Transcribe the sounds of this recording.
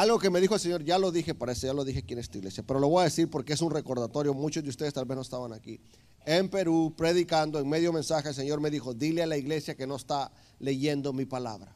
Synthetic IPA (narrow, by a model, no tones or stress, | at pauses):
alɣo̞ke̞me̞ðixolse̞ɲo̞ɾʝalo̞ðixepaɾeseʝalo̞ðixekje̞nest̪uiɣle̞sjape̞ɾo̞loo̞jaðe̞siɾpo̞ɾkees̬unre̞ko̞ɾðat̪o̞ɾjo̞mut͡ʃo̞zd̪eust̪eðest̪albeznoest̪aβanaki | empe̞ɾupɾe̞ðikand̪oeŋme̞ðjo̞mẽ̞nsaxeels̬e̞ɲo̞ɾmeðixo̞ðilealaiɣle̞sjake̞no̞est̪a | le̞ʝe̞nd̪o̞mipala̰βɾa̰